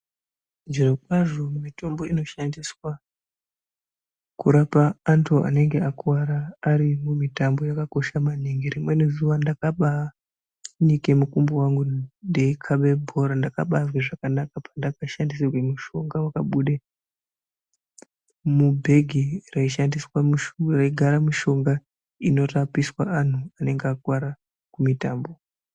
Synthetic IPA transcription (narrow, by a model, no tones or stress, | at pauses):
d͡ʒirokwaʐo̞mumito̞mbo̞ino̞ʃandiswa | kuɾapaːntʰua̰ne̞ŋɡeakuwaɾaːɾimumitambo̞jakako̞ʃamaniŋɡeɾimwe̞nezuʋandakaɓa | nike̞mukumbowaŋɡundekʰaɓe̞bʱo̞ɾandakaɓazwaʐakanakapandakaʃandis̬ekuimuʃo̞ŋɡawakaɓuɗe | mubʱe̞ɡʱiraiʃandiswaraiɡʱaɾamiʃo̞ŋɡa | ino̞tapiswaːn̤uane̞ŋɡakwaɾa | kumitaːmbo̞